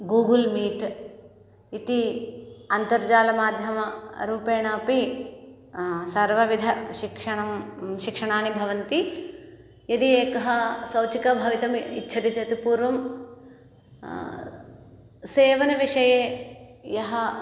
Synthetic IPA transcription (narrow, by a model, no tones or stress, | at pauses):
ɡuːɡɐlmiːʈ | it̪i | ɐnt̪ɐɾd͡ʒaːlɐmaːd̪ʱjɐmɐɾuːpeːɳɐːpi | sɐɾʋɐʋid̪ʱɐʃikʂɐɳɐmʃikʂɐɳaːnibʱɐʋɐnt̪i | jɐd̪ieːkɐɦɐsɐwt͡ʃikɐbʱɐʋit̪ɐmḭtːt͡ʃʰɐt̪it͡ʃɐt̪ipuːɾʋɐm | seːʋɐnɐʋiʂɐjeːjɐɦɐ